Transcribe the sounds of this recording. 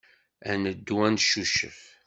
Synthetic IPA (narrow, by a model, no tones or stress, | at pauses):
ænəd̪ːwænʃuʃə̰f